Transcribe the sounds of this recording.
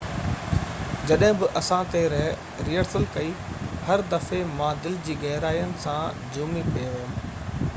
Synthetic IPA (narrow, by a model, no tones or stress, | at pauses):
d͡ʑɐɗɦɪ̃bɪʔɐsãt̪e | ɾiəɽsəlkɐihɐɾd̪ɐfemãːd̪ɪld͡ʑiːɣɛɦɾaːijənɪ̆sã | d͡ʑuːmipieʋɐɦʊ